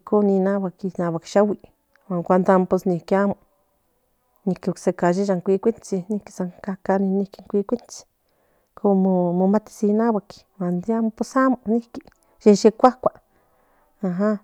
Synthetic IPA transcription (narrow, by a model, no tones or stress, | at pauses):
konĩnãβakinãβakʃawi | wãŋkʷand̪amposnĩkamõ | nĩkiksekaʒiʒaŋkʷikʷint͡sinĩkisaŋkakanĩnĩkiŋkʷikʷint͡si̥ | kʰomõmõmãt̪i̥sinãβaki̥wand̪jamposamõnĩki | ʃeʃekʷakʷa | aɦã